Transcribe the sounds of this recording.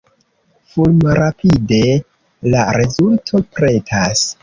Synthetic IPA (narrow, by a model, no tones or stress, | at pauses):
fulmaɾapʰide̞ | laɾezultʰo̞pɾe̞tʰas